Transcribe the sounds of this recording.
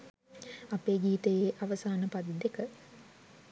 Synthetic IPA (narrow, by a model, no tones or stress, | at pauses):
apeːɡiːt̪ejeːʔaʋəsaːnəpad̪id̪ekə